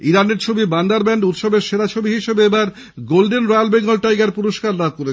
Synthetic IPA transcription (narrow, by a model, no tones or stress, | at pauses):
iɾaneɾt͡ɕʰobiband̪aɾbɛɳɖut̪ʃɔbeɾʃeɾat͡ɕʰobiɦiʃebeebaɾ | ɡolɖenɾajalbeŋɡolʈajɡaɾpuɾoʃkaɾlad̪̚koɾet͡ɕ